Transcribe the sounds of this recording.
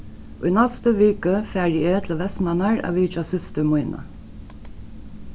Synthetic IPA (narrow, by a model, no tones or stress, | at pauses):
ʔʊjnɛst̪əʋiːkəfæːɾjet̪ʰlʋɛst̪manaɹa̰ːʋiːt͡ʃasʏst̪əmʊjnʔə̰